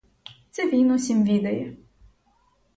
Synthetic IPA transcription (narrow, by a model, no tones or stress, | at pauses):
t̪sɛʋʲijnɔsʲimʋʲid̪ɐjɛ